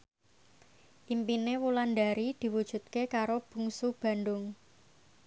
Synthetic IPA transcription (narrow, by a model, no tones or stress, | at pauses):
ʔimpinewulanda̤ɾid̪̥i̤wud̥ʒ̥ṳt̪̚kekaɾob̥ṳŋsub̥a̤nɖʊŋ